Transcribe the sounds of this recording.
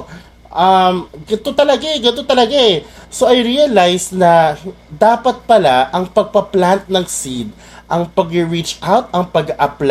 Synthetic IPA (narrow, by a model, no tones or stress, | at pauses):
ʔɐmɡɐt̪ot̪ɐlɐɡaɛɡɐnot̪ɐlɐɡaʔɛsoʔɐjɾiɐlajsnɐd̪aːpɐt̪̚pɐlaʔɐŋpɐɡ̚pɐplant̪̚nɐŋsid̪̚ | ʔɐŋpɐɡɪɹit͡ʃʔawt̪̚ɐŋpɐɡaʔɐpl